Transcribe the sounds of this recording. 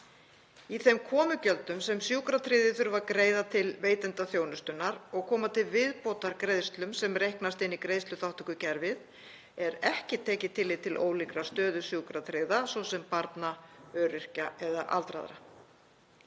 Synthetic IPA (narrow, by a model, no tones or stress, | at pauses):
iθɛmkʰɔːmʏcœlt̪ʏmsɛmsjuːkɾat̪ʰɾɪːðɪθʏɾvaɾkɾeːjðat̪ʰɪlveːjt̪ɛnt̪aθjoːwnʏst̪ʏnːaɾɔɣkʰɔːmat̪ʰɪlvɪðpoːwt̪aɾkɾejðst̪lʏmsɛmrejhknast̪ɪnːikɾeːðst̪lʏθawht̪ʏkʏcɛɾvɪð | ɛɾɛhcɪt̪ʰɛːcɪt̪ʰɪlːɪt̪ʰɪlʔo̰ːwlikɾast̪œːðʏsjuːkɾat̪ʰɾɪðasɔwsɛmpaɾt̪naœːɾɪr̥caɛðaʔa̰lt̪ɾa̰ðɾa̰